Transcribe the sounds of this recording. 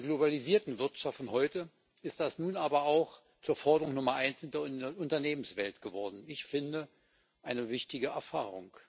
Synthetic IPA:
ɡlobaliziːɐtn̩vɪɐtʃaftn̩ɦɔʏtə | ʔɪst̚d̥asnuːnʔaːbɐaʊx | t͡suːɐfɔɐdəʁʊŋnʊmɐʔaɪnsɪndeʊntɐneːmənsv̥ɛltɡ̥əvɔɐdn̩ɪçfɪndə | ʔaɪnəvɪçtɪɡəɛɐfaːʁʊŋk

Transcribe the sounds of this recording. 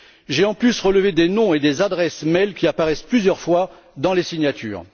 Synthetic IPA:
ʒeɑ̃plysʁələved̪enɔ̃ed̪ezad̪ʁɛsmɛlkʲiapaʁɛsplyzjœʁfwa | d̪ɑ̃lesiɲjat̪ʰy̰ːʁ

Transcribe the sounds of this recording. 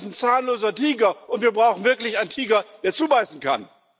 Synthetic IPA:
snt͡saːnloːzɐtʰiːɡɐʔʊntv̥iːɐbʁaʊxn̩vɪɐklɪçaɪntʰiːɡɐd̥eːɐt͡suːbaɪsn̩kʰan

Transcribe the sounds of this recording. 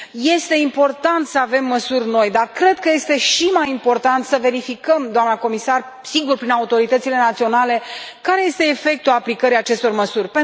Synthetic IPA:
je̞st̪e̞impo̞rt̪ant̪səave̞mːəsurʲno̞jd̪arkɾe̞d̪̚kəje̞st̪e̞ʃimajimpo̞rt̪ant̪səve̞ɾifikəmd̪oamnəko̞misar | siɡurpɾinaut̪o̞ɾit̪ət̪sile̞nat̪sio̞nale̞kaɾe̞je̞st̪e̞ːfe̞k̚t̪uaplikəɾiat͡ʃe̞st̪o̞rməsurʲpe

